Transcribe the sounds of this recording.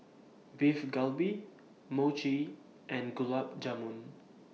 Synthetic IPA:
vifɡalbi | mot͡ʃi | ʔɛ̃nɡulap̚d͡ʒamũn

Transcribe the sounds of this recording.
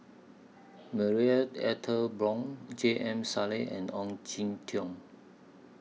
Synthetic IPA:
məɹiətɛ̰tʰəlbɹɔ̃ŋd͡ʒeʔɛ̃msaleʔɛ̰̃nɔ̃ŋd͡ʒĩntʰjɔ̃ŋ

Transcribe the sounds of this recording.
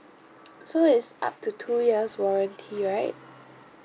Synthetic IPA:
soɪtsʔa̰p̚tʰutʰujiəswɔɹə̃ntʰiɹaɪt̚

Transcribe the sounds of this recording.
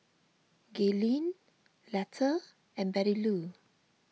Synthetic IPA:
ɡɛlĩn | lɛtʰə | ɛ̃nbɛɾilu

